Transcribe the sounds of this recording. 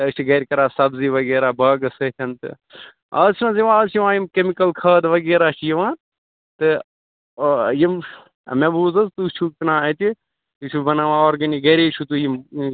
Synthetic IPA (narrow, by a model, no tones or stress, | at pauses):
t̪ɐt͡ʃʰiɡɐɾʲkɐɾaːsɐbziʋɐɡeːɾaːbɐːɡɐsɐt̪ʰʲɐnt̪ɨ̰ | ɐːt͡ʃʰnãːziʋãːɐt͡ʃʰiʋãːjimkemikɐlkʰɐːd̪ʋɐɡeːɾaːt͡ʃʰijiʋãːn | t̪ɨ | jim | ɐ̰mebuːzɐzt̪ut͡ʃʰuknãːɐt̪i | ut͡ʃʰubɐnaʋãːoːɾɡɐniɡɐɾet͡ʃʰut̪ujim